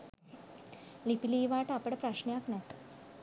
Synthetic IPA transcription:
lipiliːʋaʈapəɽpɾaɕɳjaknɛt̪

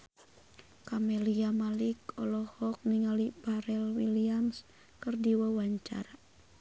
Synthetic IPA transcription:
kamɛliamalikɔlɔhɔk̚niŋalipaɾɛlwiliams | kɨrdiwawaɲt͡ʃa̰ɾa

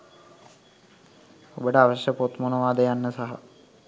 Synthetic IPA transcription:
obəʈəaʋəʃjəpot̪monuʋaːd̪əjanːəsaɦa̰

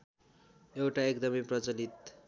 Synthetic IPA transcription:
ewʈaekd̪ʌmeprʌt͡sʌnit̪

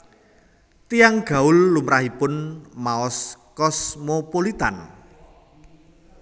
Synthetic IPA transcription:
t̪ijaŋɡ̥a̤ʊlːumɾahipʊnmaɔskɔsmopolit̪an

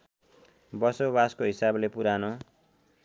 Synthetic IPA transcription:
bʌsobaskoɦisablepuɾano

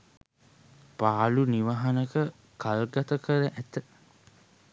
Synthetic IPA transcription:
paːluniʋaɦɐnəkə | kʰalɡat̪əkəɾəʔæt̪ə

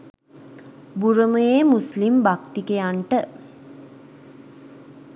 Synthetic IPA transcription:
buɾəməjemuslimbakt̪ikejaɳʈə

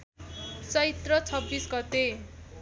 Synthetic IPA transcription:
t͡sʌit̪rʌt͡sʰʌbːisɡʌt̪e

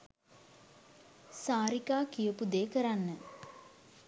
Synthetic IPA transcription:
saːɾikaːkijəpud̪eːkəɾanːə

